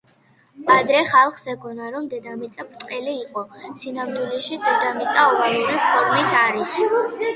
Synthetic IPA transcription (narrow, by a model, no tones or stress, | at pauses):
ad̪ɾɛχalˠχsɛɡɔnaɾɔmd̪ɛd̪amit̪sʼapt̪ʼqʼɛliːqʼɔsinamd̪wilɛʃid̪ɛd̪amit̪sʼaɔvaluɾipʰɔɾmisaɾis